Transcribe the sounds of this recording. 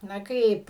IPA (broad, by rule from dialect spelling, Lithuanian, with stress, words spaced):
nɐ ˈkɐɪp